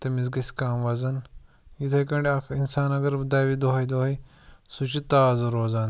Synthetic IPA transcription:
t̪emizɡɐskaːmʋɐzɐn | jit̪ʰɐkɐɳɖʲɐkʰinsaːnɐɡɐɾd̪ɐjʋid̪oɦɐjd̪oɦi | sut͡ʃit̪aːzuɾoːzaːn

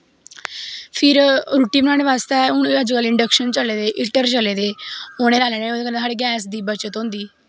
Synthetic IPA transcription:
pʰɪɾɾuːʈːiːmənãːɽeʋaːst̪eːʊnəd͡ʒkəlɪɳɖəkʃənt͡ʃəleːd̪eːʔɪʈːəɾt͡ʃəleːd̪eːoːɽ̃eːɾaːleːneːoekənəːɽeːɡɛːsd̪iːbət͡ʃət̪ɦõːnd̪iː

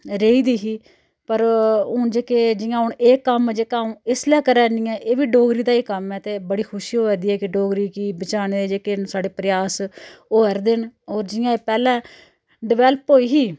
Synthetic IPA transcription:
ɾeːiːd̪iːɦiː | pəɾʊɳd͡ʒeːkeːd͡ʒɪjãːɦʊɳeːkːəmd͡ʒeːkaːũːɪslɛːkəɾɛːniːɛ̃ːʔeːʋiːɖoːɡɾiːd̪aːiːkəmɛːt̪eːbəɽiːkʰʊʃioːɛːd̪iːɛːkɪɖoːɡɾiːkiːbət͡ʃaːɽ̃eːd̪eːd͡ʒeːkeːsaːɖeːpɾɪjaːsoːəɾd̪ɪnoːɾd͡ʒɪjãːeːpɛːlɛ̃ː | ɖɪʋɛːləpoːiːɦiː

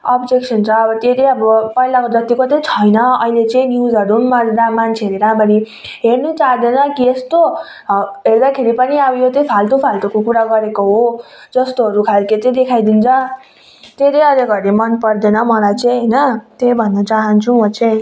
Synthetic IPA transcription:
ʌbd͡zeksʌnt͡sʰʌːbʌt̪et̪ejʌbʌpʌilakod͡zʌt̪ikot̪ʌ̃t͡sʰʌjnʌʌɦilet͡sʌĩnjuzʌɾunmad͡zɾamant͡sʰeʌɾeɾamaɾi | ɦernut͡saɦd̪enʌkiest̪o | ɦeɾd̪akʰeɾipʌniʌbʌjot̪ʌ̃pʰalt̪upʰalt̪ukokuɾaɡʌɾekoɦod͡zʌst̪oɦʌɾukʰalket̪ʌ̃d̪ekʰajd̪int͡sʰʌ | t̪et̪ʌjʌɾeɡʌɾemʌnpʌɾd̪enʌmʌlajt͡sej̃ɦʌjnʌt̪ebʱʌnːʌt͡saɦʌnt͡sʰumʌt͡sʰe

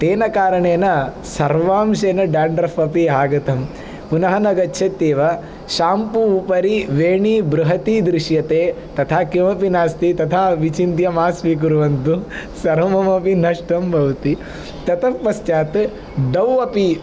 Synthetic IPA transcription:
t̪eːnɐkaːɾɐɳeːnɐ | sɐɾʋaːmʃeːnɐɖaːɳɖɾɐfɐpiɦaːɡɐt̪ɐm | punɐɦɐnɐɡɐtːʃʰɐt̪ːeːʋɐ | ʃaːmpuːpɐɾiʋeːɳibɾuɦɐt̪id̪ɾiʃjɐt̪eː | t̪ɐt̪ʰaːkjɐmɐpinaːst̪it̪ɐt̪ʰaːʋit͡ʃint̪jɐmaːsʋik̬uɾuʋɐnt̪usɐɾɐmɐmɐpinɐʂʈɐmbʱɐʋt̪i | t̪ɐt̪ɐmpːɐst͡ʃaːt̪ | ɖ̪ɐwːɐpi

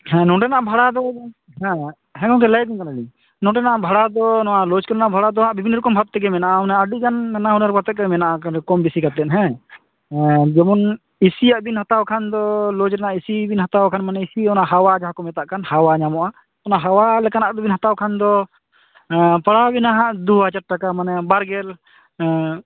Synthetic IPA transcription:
hɛ̃nɔ̃ʈɛnaʔbʱaɽad̪ɔ | ɦɛ̃ | ɦɛ̃kɔŋkɛlɛjɡinkanali | nɔ̃ʈɛnaʔbʱaɽad̪ɔnɔalɔd͡ʒkɔɾnaʔbʱaɽad̪ɔaʔbibʱinːɾkɔmbʱat̪̚t̪ɛɡɛmɛnaʔaɔnaaɖid͡ʒanːɛnaɦunaɾpat̪ɛt̪̚kamɛnaʔakɛkɔmbisikat̪ɛʔ̪ɦɛ̃ | d͡ʒɛmɔn | isijaʔbinhat̪awkʰand̪ɔlɔd͡ʒɾɛnaʔisibinɦat̪awkʰanmanɛisiɔnaʔɦawad͡ʒaɦakɔmɛt̪aʔkʰanhawaɲamɔʔa | ɔnaʔɦawalɛkanaʔd̪ɔbinɦat̪awkʰand̪ɔ | paɽabinaɦaʔd̪uat͡ʃaʈ̚ʈakamanɛbaɾɡɛl

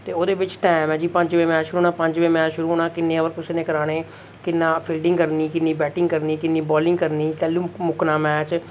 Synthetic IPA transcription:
t̪eːoːd̪eːbɪt͡ʃʈɛːmɛ̃ːd͡ʒiːpə̃ɲd͡ʒʋeːmɛːt͡ʃʃʊɾuːɦoːnaːpəɲd͡ʒʋeːmɛːt͡ʃʃʊɾuːɦoːnaːkɪnːeːəʋəɾkʊseːneːkəɾaːɽeː | kɪnːãːpʰɪlɖɪ̃ŋɡkəɾniːkɪnːiːbɛːʈɪ̃ŋɡkəɾniːkɪnːiːbɔːlɪ̃ŋɡkəɾniːkɛːlũːmʊknaːmɛːt͡ʃ

